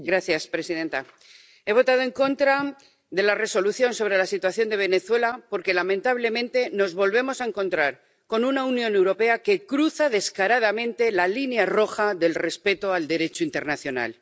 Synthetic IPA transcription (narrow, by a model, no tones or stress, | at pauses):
ɡɾaθjaspɾe̞sið̞e̞nt̪a | e̞β̞o̞t̪að̞o̞e̞ŋko̞nt̪ɾa | ðe̞lare̞so̞luθjo̞nso̞β̞ɾe̞lasit̪waθjo̞nd̪e̞β̞e̞ne̞θwe̞lapo̞ɾke̞lamẽnt̪aβ̞le̞mẽnt̪e̞no̞zβo̞lβe̞mo̞sae̞ŋkõ̞nt̪ɾaɾ | ko̞nunaunjõ̞ne̞wɾo̞pe̞ake̞kɾuθað̞e̞skaɾað̞amẽ̞nt̪e̞lalinjaro̞xaðe̞lre̞spe̞t̪o̞ald̪e̞ɾe̞t͡ʃoint̪e̞ɾnaθjo̞na̰l